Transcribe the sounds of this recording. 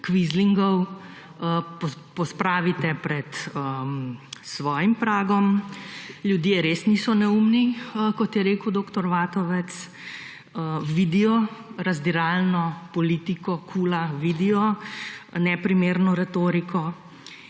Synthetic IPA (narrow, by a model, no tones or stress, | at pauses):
kʋizliŋɡɔw | pɔpɔspɾaːʋit̪ɛpɾɛt̪ə | sʋɔːjimpɾaːɡɔm | ljud̪jeɾeːsniːsɔnɛumnikɔt̪jɛɾeːkəwd̪oːkt̪ɔɾʋaːt̪ɔʋɛt̪s | əʋid̪ijɔɾɐzd̪iɾaːlnɔpɔliːt̪ikɔkʰuːlaʋid̪ijɔ | nɛpɾimeːɾnɔɾɛt̪oːɾikʰɔ